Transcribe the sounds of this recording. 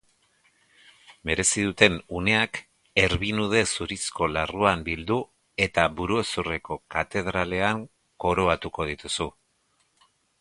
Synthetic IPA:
me̞ɾe̞siðut̪e̞nune̞ak | e̞ɾβinuð̞e̞suɾisko̞laruambild̪u | e̞t̪aβuɾue̞sure̞ko̞kat̪e̞ðɾale̞aŋ | ko̞ɾoat̪uko̞ð̞it̪usu

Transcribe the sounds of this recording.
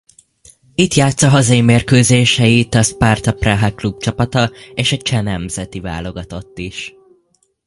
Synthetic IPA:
it̪jaːt̪sɒɦɒzɒjimeːrkøːzeːʃɛjit̪ɒspart̪ɒpraɦɛklub̚t͡ʃɒpɒt̪ɒeːʃɒt͡ʃɛnɛmzɛt̪iva̰ːlo̞ɡɒt̪o̞t̪ːiʃ

